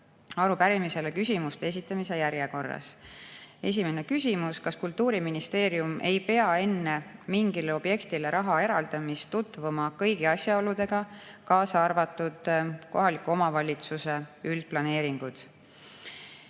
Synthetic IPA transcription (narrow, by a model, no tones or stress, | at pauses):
ɑɾupæɾimise̞lekysʲimust̪ees̬ʲit̪ːˑɑmise̞jæɾjeko̞rːɑ̰s | e̞s̬ʲime̞ne̞kys̬ʲimuskɑskult̪ːuːɾiminist̪e̞ːɾjumʔe̞jpe̞ɑe̞nːe̞miŋɡ̥ileo̞b̥je̞kt̪ile̞ɾʔɑɦɑe̞ɾɑld̪̥ɑmist̪ːut̪ˑvumɑkɤjɡ̥iɑsʲjɑo̞lud̪̥e̞ɡ̥ɑkɑːsɑɑrvɑt̪ːˑud̪̥ko̞ɦɑlikːˑuo̞mɑvɑlʲit̪suse̞yld̪̥̚plɑne̞ːɾiŋɡ̥ud̪̥